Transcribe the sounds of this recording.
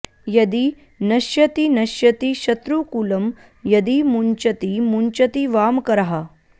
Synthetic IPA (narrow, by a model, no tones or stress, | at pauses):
jɐd̪i | nɐʃjɐt̪inɐʃjɐt̪iʃɐt̪ɾukulɐm | jɐd̪imuɲt͡ʃɐt̪imuɲt͡ʃɐt̪iʋaːmkɐɾɐɦɐ